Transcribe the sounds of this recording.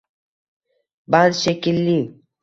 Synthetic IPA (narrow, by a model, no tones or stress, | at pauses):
bazʃekilːi